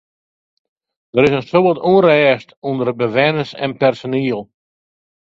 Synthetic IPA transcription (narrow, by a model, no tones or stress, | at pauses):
d̥əɾɪsənsoʋɔtuərɛːstundərbəʋɛnəsɛ̰npɛrsoniəlˠ